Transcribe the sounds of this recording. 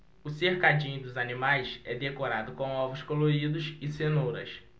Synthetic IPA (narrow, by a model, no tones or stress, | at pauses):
ʊsehkad͡ʒĩɲʊd̪ʊzanimajsɛd̪ekoɾad̪ʊkõw̃ɔvʊskoloɾid̪ʊsɪsenoɾɐ̰s